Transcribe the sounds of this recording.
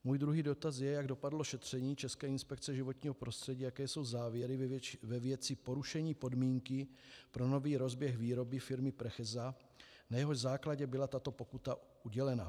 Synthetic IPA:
muːjd̪ɾuɦiːdo̞t̪az̬jɛjaɡdo̞padlo̞ʃɛt̪r̝̥ɛɲiːt͡ʃɛskɛːɪnspɛk̚t͡sɛʒɪvo̞t̪ɲiːɦopɾo̞st̪r̥ɛɟiːjakɛːso̞wzaːvjɛɾɪvvɛvjɛt͡sɪpo̞ɾuʃɛɲiːpo̞dmiːŋkɪ | pɾo̞no̞viːɾo̞zbjɛxviːɾo̞bɪfɪɾmɪpɾɛxɛza | najɛɦoʒzaːklaɟɛbɪlat̪at̪o̞po̞kut̪a | uɟɛlɛna̰

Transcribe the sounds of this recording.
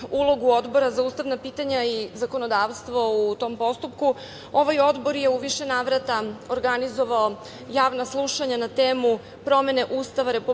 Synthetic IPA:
ulˠo̞ɡuo̞d̪bo̞ɾazauːst̪aʋnapiːt̪aɲaizako̞nod̪aːʋst̪ʋo̞ut̪o̞mpo̞st̪upku | o̞ʋajo̞d̪bo̞ɾje̞uʋiʃenaːʋɾat̪aoɾɡanizo̞ʋao | jaːʋnaslˠuʃaɲanat̪eːmu | pɾo̞me̞ne̞ʔuːst̪aʋaɾe̞pu

